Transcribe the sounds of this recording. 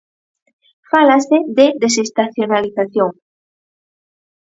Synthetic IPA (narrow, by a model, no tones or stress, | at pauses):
falaseðedesest̪aθjonaliθaθjoŋ